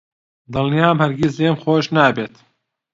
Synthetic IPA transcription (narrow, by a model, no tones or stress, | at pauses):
d̪ɨlnijaːmhɐɾɡʲiseːmxoːʃnaːbeːt̪